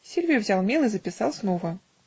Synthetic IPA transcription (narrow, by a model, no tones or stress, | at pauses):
sʲilʲvʲijuvzʲalˠmʲelˠɨzəpʲɪsɑlˠsnovə